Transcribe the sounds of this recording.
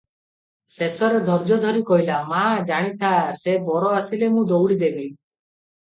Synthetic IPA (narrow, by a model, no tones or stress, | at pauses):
sesɔɾed̪ʱɔɾd͡ʒɔd̪ʱɔɾikɔɦilamad͡ʒaɽ̃it̪ʰasebɔɾɔasilemũd̪owɽid̪ebi